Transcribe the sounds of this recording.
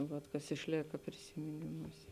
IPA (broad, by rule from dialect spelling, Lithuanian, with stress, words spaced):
ˈʋɐt kɐs ɪʃʲˈlʲeːkɐ pʲrʲɪsʲɪmʲɪˈnʲɪmuːsʲeː